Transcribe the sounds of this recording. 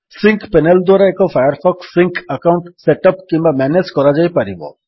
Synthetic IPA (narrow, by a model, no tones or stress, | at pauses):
sĩŋkpɛnəld̪ɔːɾaekofʰajəɾfʰɔksĩŋkʰɐkaʊ̃ɳʈseʈəp̚kimamɛneskɔɾad͡ʒaːipɐɾibo̰